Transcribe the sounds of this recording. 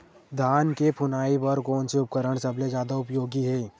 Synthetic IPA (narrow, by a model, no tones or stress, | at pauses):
d̪ʱaːnkepʰʊnaːipɐɾkɔːnseʊp̚kəɾəɽ̃sɐbled͡ʒjaːd̪aʊpjoːɡiɦɛː